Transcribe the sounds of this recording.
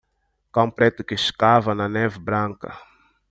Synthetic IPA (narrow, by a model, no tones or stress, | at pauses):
kaw̃pɾɛt̪ʊkɪʃkavɐnɐnɛvɪbɾɐ̃ŋkɐ̰